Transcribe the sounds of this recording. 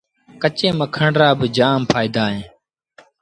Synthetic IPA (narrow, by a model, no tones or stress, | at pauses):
kət͡ʃẽːməkʰəɳɖɾaːbɪd͡ʒaːmpʰaːiːd̪aːɦẽː